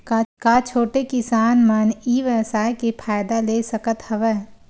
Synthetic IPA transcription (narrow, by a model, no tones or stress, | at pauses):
kakaːt͡ʃʰoːʈekɪsaːnməniːʋɛsaːekepʰaːjd̪aleːsəkət̪hɐʋɛː